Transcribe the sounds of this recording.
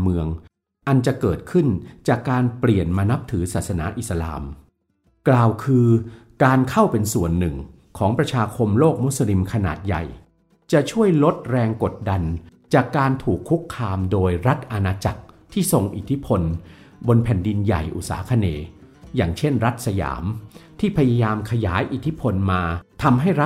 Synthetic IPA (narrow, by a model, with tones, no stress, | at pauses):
mɯ˧əŋ | ʔa˧nt͡ɕa˨˩kɤː˨˩t̪̚kʰɯ˥˩nt͡ɕaː˨˩kːaː˧npli˨˩ənmaː˧na˦˥p̚t̪ʰɯː˩˦saː˨˩t̪̚sa˧naː˩˦ʔi˨˩sa˧la̰ː˧m | klaː˨˩wkʰɯː˧kaː˧nkʰa˥˩wpe˧nsu˨˩ənːɯ˨˩ŋ | kʰɔː˩˦ŋpɾa˧t͡ɕʰaː˧kʰo˧mloː˥˩k̚mu˦˥sa˧li˧mkʰa˧na̰ː˨˩t̪̚ja̰˨˩j | t͡ɕa˨˩ʔt͡ɕʰu˥˩əjlo˦˥t̪̚ɾɛː˧ŋko˨˩t̪̚da˧nt͡ɕaː˨˩kːaː˧nt̪ʰuː˨˩kʰːu˦˥kʰːaː˧mdoː˧jɾa˦˥t̪̚ʔa˧naː˧t͡ɕa̰˨˩k̚t̪ʰiː˥˩so˨˩ŋʔḭ˨˩t̪ʰi˦˥pʰo˧n | bo˧npʰɛː˨˩ndi˧nja̰˨˩jʔṵ˨˩t̪̚sa̰ː˩˦kʰa˧neː˧ | jaː˨˩ŋt͡ɕʰe˥˩nɾa˦˥t̪̚sa˧ja̰ː˩˦mt̪ʰiː˥˩pʰa˧ja˧jaː˧mkʰa˧ja̰ː˩˦jʔi˨˩t̪ʰi˦˥pʰo˧nmaː˧t̪ʰa˧mɦa˥˩jɾa˦˥